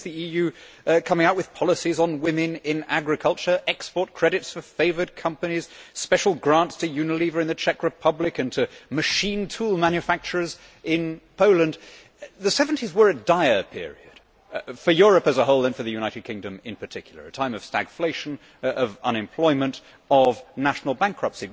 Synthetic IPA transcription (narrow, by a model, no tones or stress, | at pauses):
zðiijʉ | kʰʌ̃mɪ̃ŋaʊwɨð̥pʰɑlˠəsizn̩wɪ̃mɨ̃nɪ̃næɡɹɨkʰʌlˠt͡ʃə˞ʔɛkspɔɹt̚kʰɹ̥ɛɾɨtsfə˞feɪvə˞d̚kʰʌ̃mpɨñiz̥spɛʃl̩ˠɡɹæ̃ntstʰɨjʉnɨlivə˞ɨ̃nðɨt͡ʃʰɛkɹɨpʰʌblɨkɨ̃ntʰɨmɨʃĩntʰulˠmæ̃njɨfæk̚t͡ʃə˞z | ʔɪ̃npʰoʊlˠə̃nd | ðɨsɛṽn̩tʰizwə˞ɨd̥aɪə˞pʰɪ̰ɹḭɨ̰d̥ | fə˞jʊɹɨpɨzəɦoʊlˠðɨ̃nfə˞ðɨjʉñaɪɾɨd̚kʰɪ̃ŋdɨ̃mɪ̰̃npʰə˞tʰɪkʰjl̩ˠə̰˞ɨtʰãɪ̃mʌv̥stæ̰ɡ̥fleɪʃɨ̃n̩ | ʌvʌ̰̃ñɨ̃mpʰl̥ɔɪmɨ̃nt | ʌvnæʃn̩l̩ˠbæ̃ŋkʰɹ̥ʌpsi